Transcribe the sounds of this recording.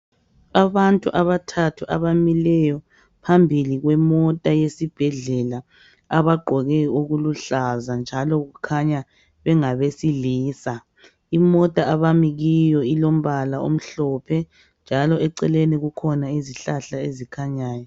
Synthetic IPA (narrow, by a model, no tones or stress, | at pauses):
aβantʼuʔaβatʰatʰuʔa̰βamilɛjɔ | pʰambʱiliɣwɛmɔtʼajesib̥ʱɛɮɛla | aβaɡ͡ǃʱɔɣɛuɣuluɬazand͡ʒʱalɔɣukʰaɲa | βɛŋaβesiliːsa | imɔtʼaaβamiɣijɔilom̩βalao̰m̩ɬɔpʰɛ | nd͡ʒʱalɔɛǀɛleniɣukʰɔnaiziɬaɬaezikʰaɲaːjɔ